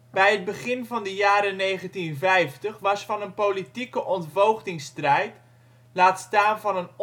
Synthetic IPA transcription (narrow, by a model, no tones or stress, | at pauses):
bɛjəd̚bəχɪnvɑndəjaːɾənejχəntinvɛjftəχʋɑsfɑnənpolitikəʔɔntvowχdɪŋstrɛjt | laːtstaːnvɑnən